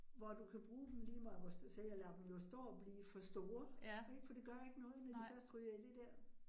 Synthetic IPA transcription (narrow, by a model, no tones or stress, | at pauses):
ʋɒd̥ukʰæb̥ʁuːd̥em̩liːmɑ̈ʋɒsd̥useljɑlæd̥m̩jo̝sd̥ɔ̰ːɒb̥liːfɒ̽sd̥o̝ːɐeɡ̥fɒ̽d̥e̝ɡ̥ɶɐ̰je̝ɡ̥ənɔ̽ːð̩ˠnæ̥ifɶɐ̰sd̥ʁyɐid̥e̝d̥æɐ̰